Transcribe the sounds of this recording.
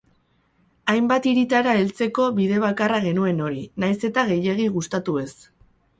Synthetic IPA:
ajmbat̪iɾit̪aɾae̞lt͡se̞ko̞βiðe̞β̞akaraɣ̞e̞nue̞no̞ɾinajse̞t̪aɣ̞e̞je̞ɣ̞iɣust̪at̪ue̞s

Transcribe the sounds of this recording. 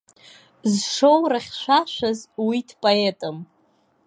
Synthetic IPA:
zʂo̞wraχʲʃʷaʃʷazwidʰpʼoetʼɨm

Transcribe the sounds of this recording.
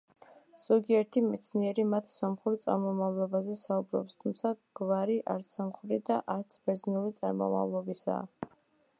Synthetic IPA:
z̥ɔɡiɛɾt̪ʰimɛ̰t̪sʰniɛɾimat̪ʰsamχuɾt̪sʼa̰ɾmɔmavlˠɔbazɛsaubɾɔ̰pst̪ʰumt̪sʰaɡ̥vaɾiʔaɾt̪samχɾid̪aʔaɾt̪sʰbɛd̪znulit̪sʼa̰ɾmɔ̰ma̰vlˠɔbisa̰ː

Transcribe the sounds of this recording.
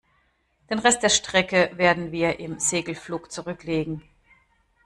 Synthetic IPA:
d̥eːnʁɛst̚d̥eːɐʃtʁ̥ɛkəveːɐdn̩viːɐʔɪmzeːɡl̩fluːkt͡suʁʏkleːɡŋ̩

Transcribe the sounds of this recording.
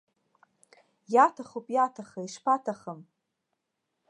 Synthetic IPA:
jatʰaχopʼjatʰaχaiʂpʰatʰaχəm

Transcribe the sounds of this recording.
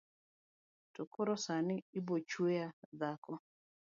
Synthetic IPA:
tokoɾɔsanɪɪbot͡ʃwejad̪akɔ

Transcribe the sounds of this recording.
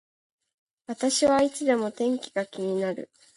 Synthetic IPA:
βat̪aɕiβait͡sɨd̪e̞mo̞t̪ẽ̞ŋkʲiɡakʲiɲ̟inaɾɯ̰

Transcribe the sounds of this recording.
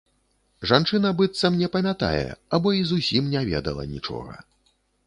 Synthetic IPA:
ʐant͡ʂɨn̪ɐbɨt̪sɐmnʲɛpɐmʲat̪a̰jɛ̰abɔizusʲimnʲavʲɛ̰d̪ɐ̰lˠɐ̰nʲit͡ʂɔ̰ɣɐ̰

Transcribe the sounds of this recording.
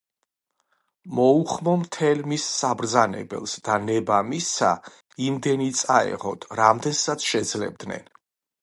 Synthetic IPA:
mɔuχmɔmt̪ʰɛlmisːabɾd̪zanɛ̰bɛ̰lˠsd̪̥anɛbamisːa̰ | imd̪ɛnit̪sʼaɛ̰ʁɔd̪ʰɾamd̪ɛnsat̪sʰʃɛd̪zlɛ̰b̚d̪nɛ̰n

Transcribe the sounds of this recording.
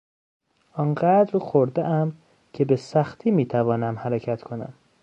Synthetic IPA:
ʔɒːnɢæd̪ɾxoɾd̪eʔæm | cʰe̞besæxt̪ʰiːmiːt̪ʰævɒːnæmhæɾecʰæt̪ʰkʰonæ̰m

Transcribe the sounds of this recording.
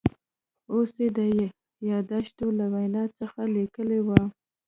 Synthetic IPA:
osed̪əj | jɑd̪aʃt̪olawajnɑt͡səxalikəlewa

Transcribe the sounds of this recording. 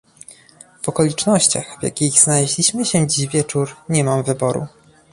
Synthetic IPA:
v̥ɔkɔlʲit͡ʂnɔɕt͡ɕaxvʲja̰kʲiɣz̥nalɛʑlʲiɕmɘɕɛ̃d͡ʑiʑvʲjɛt͡ʂuɾɲɛmamvɘbɔɾṵ

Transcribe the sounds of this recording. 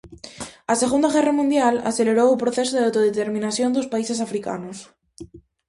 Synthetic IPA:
aseɣund̪aɣɛramũnd̪jala̰θeleɾowupɾoθes̬oðeawt̪oð̞et̪eɾmĩnasjond̪ospaisesafɾika̰nos

